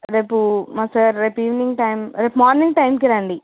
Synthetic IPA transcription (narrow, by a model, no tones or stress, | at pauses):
ɾepumɐsɐɾɾɛpiːʋnɪ̃ŋɡʈɐɪmɾɛpmaːɾnɪ̃ŋɡʈɐɪmkiɾaːɳɖi